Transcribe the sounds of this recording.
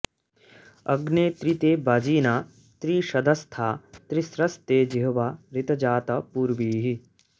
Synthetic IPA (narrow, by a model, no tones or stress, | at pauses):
ɐɡneːt̪ɾit̪eːbaːd͡ʒiːnaː | t̪ɾiːʃɐd̪ʱɐst̪ʰaːt̪ɾisɾɐst̪eːd͡ʒiɦɐʋaːɾit̪ɐd͡ʒaːt̪ɐpuːɾʋiːɦi